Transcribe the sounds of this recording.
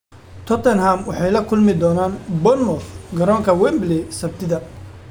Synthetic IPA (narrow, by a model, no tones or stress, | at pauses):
t̪ʰɔt̪ʰɛnhamwɑħɑjlɐkʰʊlmɪd̪ɔːnaːnbɔnmɔfɡɐɾɔːŋkʰɐwɛmblɛsɐb̚t̪ʰɪðɐ